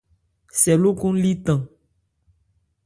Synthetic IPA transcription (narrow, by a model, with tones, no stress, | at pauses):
sɛ˨lo˦kũ˦li˦t̪ã˨